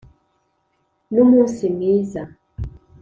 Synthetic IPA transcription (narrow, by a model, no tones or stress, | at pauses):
numusimiza